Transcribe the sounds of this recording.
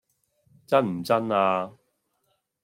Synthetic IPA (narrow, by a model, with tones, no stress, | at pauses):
t͡sɐ˥nm̩˨˩t͡sɐ˥naː˧